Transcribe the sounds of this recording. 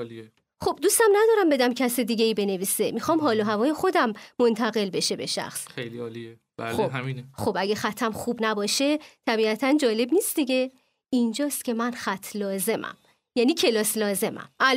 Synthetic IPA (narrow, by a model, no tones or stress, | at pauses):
lie | xo̞b̥̚d̪ust̪æmnæd̪ɒːɾæmbe̞d̪æmcʰæsed̪iːɡeiːbe̞ne̞viːse̞mixɒːmɦɒːloɦævɒːjexo̞d̪æmːo̞nt̪ʰæɣe̞lbe̞ʃe̞be̞ʃæ̰xsejliɒːlie | ba̰xobɦminxo̞bæɡæxæt̪ʰːæmxuːbnæbɒːʃet̪ʰæbiæt̪ʰænd͡ʒɒːle̞bniːst̪d̪iɟe̞ | ind͡ʒɒːst̪̚cʰʲe̞mænxæt̪ʰːlɒːze̞mʔæ̰m | jæːniːcʰe̞lɒːslɒːze̞mæ̰mæl